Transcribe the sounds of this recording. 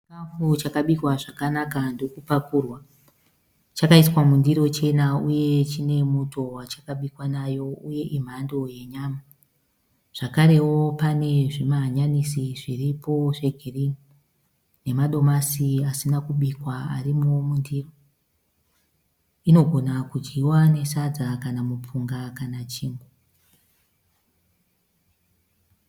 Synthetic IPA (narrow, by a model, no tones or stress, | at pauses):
t͡ʃikafut͡ʃakaɓikwaʐakanakandokupakurwa | t͡ʃakaiswamundiɾo̞t͡ʃe̞nauje̞t͡ʃine̞muto̞wat͡ʃakaɓikwanajo̞uje̞ʔim̤ando̞je̞ɲaːma | ʐ̥akaɾe̞wo̞pane̞ʐimaɲanisiʐiripo̞ʐe̞ɡʱiri | ne̞maɗo̞masiasinakuɓikwaa̰rimomundiːro | ino̞ɡʱo̞nakud͡ʒɡiwane̞sad͡zakanamup͡fuŋɡakanat͡ʃiːŋɡo